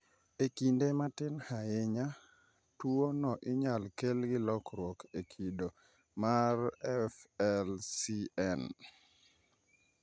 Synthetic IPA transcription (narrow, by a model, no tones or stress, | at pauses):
ekindematɪnhajeɲa | tuonɔʔɪɲalkelɡɪlɔkɾwokekʰido | marɛfɛlsiɛn